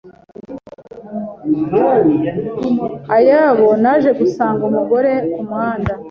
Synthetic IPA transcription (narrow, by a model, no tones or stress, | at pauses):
ajaːβo̞naʒe̞ɡusaːŋɡumuɡo̞ɾe̞umwaːnda